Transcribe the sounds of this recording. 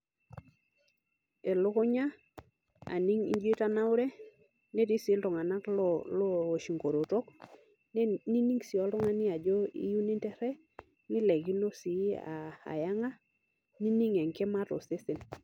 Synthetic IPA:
e˨lʊ˦kʊ˦ɲa˦ | a̰˨ni˦ŋḭ˦nd͡ʒi˦ta˦na˦ʊ˦ɾɛ˦ | nɛ˦ti˦sɪ˨˦ltɔ˨ŋa˨na˦klɔlɔ˦˨ʃi˨ŋɡo˨ɾo˨to˦k | ni˦ni˦ŋsi˨ɔ˨˦lɔ˦ŋa˦nɪ˦a˨d͡ʒɔ˦ḭ˦ju˦ni˦ntɛ˦ɾɛ˦ | nɪ˦lɛ˨ɡi˦no˦si˨˦a̰˨a̰˨ja˦ŋa˦ | ni˦ni˦ŋɛ˨ŋkɛ˦ma˦tɔ̰˨sɪ˦sɪ˨n

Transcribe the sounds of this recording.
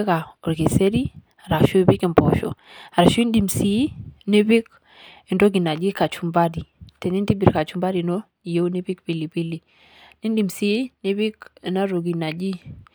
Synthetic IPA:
ka˨o˨ɾke˨se˦ɾi˦ | a˨ɾa˨ʃo˦i˦bi˦ki˨mpɔ˨ʃɔ̰˨ | a˨ɾa˨ʃo˦i˦ndi˨msi˨˦ni˦bi˦k̚ | e˨ndo˦ɡi˨na˨d͡ʒi˦ka˨t͡ʃu˦mba˦di˨te˨ni˦nti˦bi˨ɾka˨t͡ʃu˦mba˦di˨no˦˨ | je˦u˦ni˦pi˦kpi˨li˨pi˦li˨ | ni˦ndi˨msi˦ni˦bi˦ke˨na˦ɾo˨ɡi˨na˨d͡ʒi˦

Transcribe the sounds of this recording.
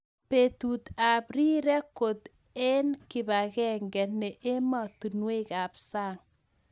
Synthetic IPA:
pe˨tu˨t̪a˨pɾi˦ɾɛ˦ko˨t̪ | e˦nkɪ˨ba˨kɛ˦ŋɡɛ˨nɛ˨ʔe˦ma˨t̪u˨nwe˦ka˨psaː˦ŋ

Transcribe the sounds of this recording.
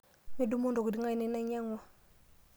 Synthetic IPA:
mi˦du˦mo˦ndo˨ku˨di˦ŋa˦jne˦na˦ɲa˦ŋwo˨

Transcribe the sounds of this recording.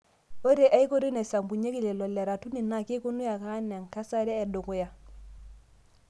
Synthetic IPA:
o˦ɾe˨ʔa˦i˦ko˦ɾe˦nɛ˨sa˨mbu˨ɲe˦ki˦˨le˨lɔ˨lɛ˨ɾa˨tu˦ni˨na˨ke˦ko˦nu˦ja˨ka˦n˨a˨ŋka˦sa˦ɾɛː˦˨do˨ko˦ja˦

